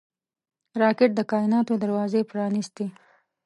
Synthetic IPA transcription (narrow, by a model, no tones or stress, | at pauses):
ɾɑkɪʈ̚d̪əkɑɪnɑt̪od̪aɾwɑzepɾɑnist̪e